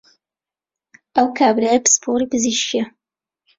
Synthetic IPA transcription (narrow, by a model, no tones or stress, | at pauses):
ʔɐwkʰaːbɾaːjapspʰoɾiːpɨziʃkiɐ